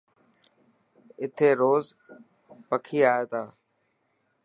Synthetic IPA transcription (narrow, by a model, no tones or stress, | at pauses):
ɪt̪ʰeːɾoːz | pəkʰiːaːeːt̪ãː